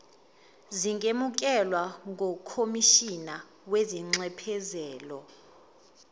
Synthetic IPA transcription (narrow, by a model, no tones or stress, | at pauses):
ziŋemuk̬ʼɛlwaŋʱɔkʰomiʃina | weziŋ͡ǀɛpʰɛzɛːlɔ